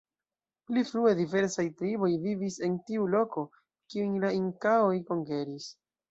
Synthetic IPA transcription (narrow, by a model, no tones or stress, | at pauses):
plifɾue̞dive̞ɾsajtɾibo̞jvivise̞ntiulo̞ko̞ | kiunlaiŋkaojko̞ŋke̞ɾis